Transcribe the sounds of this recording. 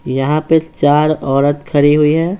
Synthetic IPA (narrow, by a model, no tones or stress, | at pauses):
jɐɦãpet͡ʃaːɾɔːɾət̪kʰɐɾiɦʊiɦɛː